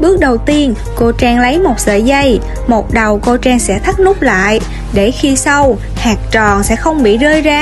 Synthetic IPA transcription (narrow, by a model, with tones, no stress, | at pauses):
ɓɨ˦˥ək̚ɗə˨˩wt̪i˧ən | ko˧t͡ɕɛː˧ŋlə˨˦jmo˨˩t̚sə̰ː˧˩jzə˧j | mo˨˩t̚ɗə˨˩wko˧t͡ɕɛː˧ŋsɛ̰˧˥t̪ʰa˦˥k̚nʊ˦˥k͡p̚la̰ː˧˨j | ɗe˧˩xi˧sə˧w | haː˨˩k̚t͡ɕɔ̰˨˩nsɛ̰˧˥xə˧wŋ͡mɓḭ˧˨zəː˧jzaː˧